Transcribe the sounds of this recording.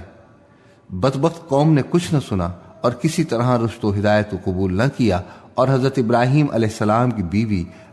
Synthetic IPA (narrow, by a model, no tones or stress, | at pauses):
bɐd̪bəxt̪̚qɔːmnekʊt͡ʃʰnɐsʊnaɔːɾkɪsit̪ɐɾɦãɾʊʃt̪oɦɪd̪aːjət̪̚koqʊbuːlnɐkijaɔːɾɦɐzɾət̪ɪbɾaːɦiːmʔɐ̰lɛːɦsːɐlaːmkibiːʋi